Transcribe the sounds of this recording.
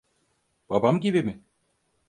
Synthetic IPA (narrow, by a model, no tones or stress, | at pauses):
b̥abamɟʲibimɪ